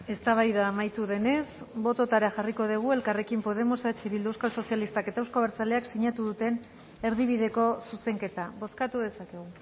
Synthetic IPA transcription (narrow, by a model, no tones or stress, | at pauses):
e̞st̪aβajðaːmajt̪uðe̞ne̞sbo̞t̪o̞t̪aɾaxariko̞ð̞eɣ̞ue̞lkare̞kimpo̞ð̞e̞mosat͡ʃiβild̪uewskalso̞sjalist̪ake̞t̪aewsko̞β̞eɾt͡saleaksiɲat̪uðut̪e̞n | e̞ɾðiβ̞ið̞e̞ko̞suse̞ŋke̞t̪aβo̞skat̪uðe̞sake̞ɣ̞u